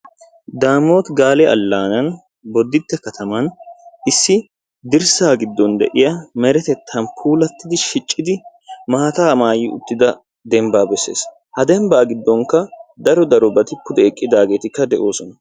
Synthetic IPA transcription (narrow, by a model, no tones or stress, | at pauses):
d̪aːmo̞ːt̪ɡaːlɛʔɐ̰lːaːnɐn | bɔd̪ːɪt̪ːɛkɐt̪ʰɐmɐnʔɪsːɪ | d̪ɪɾsaːɡɪd̪ːɔnd̪ɛ̰ʔɪjɐmɛɾɛt̪ɛt̪ʰːɐnpʰuːlɐt̪ːɪd̪ɪʃɪt͡ʃʼːɪd̪ɪ | maːt̪aːmaːjɪʊ̰t̪ːɪd̪ɐ | d̪ɛmbaːbɛsːe̞̰ːs | hɐd̪ɛmbaːɡɪd̪ːɔŋkːɐd̪ɐɾɔd̪ɐɾɔbɐt̪ɪpːʊd̪ɛːkʼːɪd̪aːɡe̞ːt̪ɪkːɐd̪ɛʔo̞ːsɔnɐ